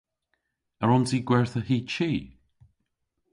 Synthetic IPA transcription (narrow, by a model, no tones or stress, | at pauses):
aɹɔnsiːɡwɛɹθəhiːt͡ʃiː